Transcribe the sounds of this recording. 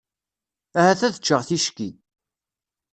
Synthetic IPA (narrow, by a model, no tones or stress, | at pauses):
æhæθæðət͡ʃːəʁθiʃkḭ